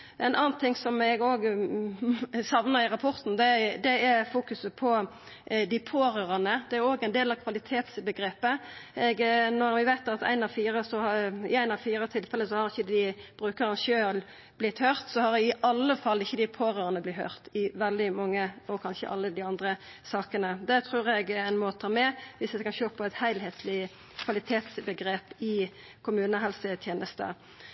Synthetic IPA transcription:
ʔɛɪnʔɑːnt̪ʰɪŋsɔmɛɡoːɡ | sɑʋnəʁɪʁɑpʰɔɾt̪n̩d̪ɛd̪ɛæfuːkʉsəpʰɔ | d̪ɪpʰoːɾøːʁənəd̪ɛæɾoːɡæɪnd̪eːlɑʋkʰʋɑlɪt̪ʰeːt̪sbəɡɾeːpəɛɡnɔɾʋɪʋæɪt̪ɑt̪æ̰ɪnɑʋfiːɾəsɔhɪæɪnɑʋfiːɾət̪ʰɪlfɛləsɔhɑɾɪçːəd̪ɪb̥ɾʉːkəɾənʃøːl | b̥lɪt̪hœːʁt̪sɔhɑɾɪʔɑlːəfɑlːɪçːəd̪ɪpʰoːɾøːʁənəblɪt̪hœ̰ːʁt̪ɪʋɛld̪ɪmɑŋːəɔkʰɑnʃə̰ʔɑ̰lːəd̪ɪɑnd̪ʁə | sɑːkənəd̪ɛt̪ʰʁʉːʁɛɡæɪnmoːt̪ʰːɑːmɛʋɪsɛkɑnʃøːpʰɔæɪt̪hæɪlheːt̪ʰlɪ | kʰʋɑlɪt̪ʰeːt̪sbəɡɾeːpɪ | kʰʊmʉːnəɦɛlsət̪ʰjeːnəst̪ə̰

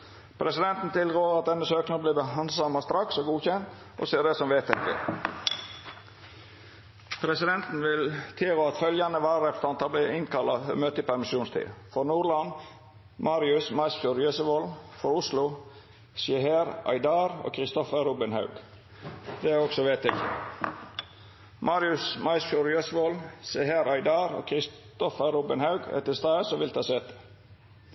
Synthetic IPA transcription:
pʰɾɛsɪd̪ɛnt̪n̩t̪ʰɪlɡoːəɾɑt̪̚d̪ɛnːəsøːknɑbliːbəɑnd̪sɑmɑst̪ɾɑksoːɡuːçɛnt̪ | ʔɔ̰siːəɾɖ̪ɛːsɔmʋeːt̪ɪkːə̰ | pʰɾɛsɪd̪ɛnt̪n̩ʋɪlt̪ʰeːɾɔɑt̪fœljɑnəʋæːɾɾɛpɾə̥t̪ɑnt̪ʰɑbliːɪnkʰɑlːɑfə̰møːt̪əiːpæɾmɪʃuːnst̪ʰḭːfɔɾnuːlɑn | mɑːɾɪʉsmɑɪsfjuːɾjøːsəʋɔlfɔɾʊslʊ | sɛɦeːɾʔɑ̰ɪd̪ɑːɾɔ̰ːkʰɾɪst̪ɔfəɾuːbɪnhɑ̰ʉɡ̥ | d̪̥ɛæɾɔksɔʋeːt̪ɛk | mɑːɾɪʉsmɑɪsfjuɾjøsəʋɔlsɛheːɾɑɪd̪ɑːɾo̰ːkʰɾɪst̪ɔfəɾuːbənhɑʉɡɛ̰t̪əst̪ɑːəsɔʋɪlt̪ʰɑːseːt̪ə̥

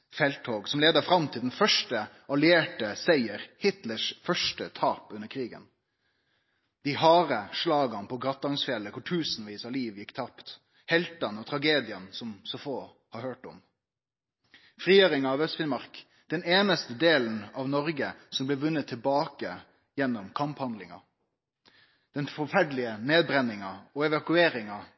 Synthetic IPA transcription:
fɛlt̪ʰoːɡsɔmleːd̪əfɾɑmt̪ʰɪld̪ɛnfœʂʈə | ɑlɪeːʈəsæɪəɾhɪt̪ləʂfœʂʈət̪ʰɑːpʉnːəkʰɾiːɡə̰n | d̪̥ɪhɑːɾəʂɭɑːɡɑnpʰɔɡʁɑt̪ːɑŋsfɪɛlːəkʰʊʈʰʉːsnʋiːsɑliːʋjɪkːt̪ʰɑpt̪ | hɛlt̪ɑnɔt̪ʰɾɑɡeːd̪ɪənsɔmsɔfoː | hɑɾhøːʈɔm | fʁiːøːɾɪŋɑːʋœst̪fɪnmɑɾk | d̪̥ɛneːnəst̪əd̪eːln̩ɑʋnɔɾɡəsɔmblɛːʋʉnːət̪ʰːɪlbɑːkə | jɛnːɔmkʰɑmphɑnd̪lɪŋɑ̰ | d̪̥ɛnfɔɾfæɖlɪəneːd̪̚bɾɛnːɪŋɑɔɛʋɑkʉeːɾɪŋɑ

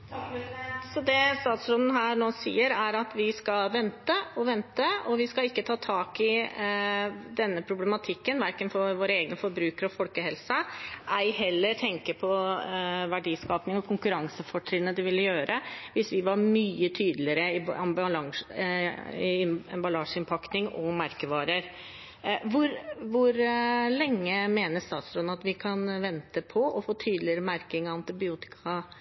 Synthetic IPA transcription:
sɔd̪ɛst̪ɑːt̪sɾɔnən̩ɦæːɾɳoːsḭːəɾæɾɑt̪ʋɪskɑʋɛnt̪əɔʋɛnt̪əɔʋɪskɑlɪkːət̪ʰɑːt̪ʰɑːkɪ | d̪ɛnːəpʰɾʊblɛmɑt̪ʰɪkːənʋæɾkənfɔʋoːɾəeːɡənəfɔɾbɾʉːkəɾɔfɔlkəhɛlsəʔæɪɦɛlːəɾt̪ʰɛŋkəɾpʰɔ | ʋæɖiːskɑːpnɪŋɔkʰʊŋkʉɾɑŋsəfɔʈʰɾɪnəd̪ɪʋɪlːəjøːɾʔəʋɪsʋɪʋɑɾmyːət̪ʰyːd̪lɪəɾəɪɑmblɑŋ | ɪɛmbɑlɑːʂəɪnpʰɑkt̪ɪŋɔ̰mɑɾkəʋɑːɾəɾ | ʋʊɾʋʊɾlɛŋːəmeːnəst̪ɑːt̪sɾɔnɑt̪ʋɪkʰɑnʋɛnt̪əpʰɔʔɔfoːt̪ʰyːd̪lɪəɾəmæɾkɪŋɔɑnt̪ɪbɪuːt̪ɪ̥kʰɑ

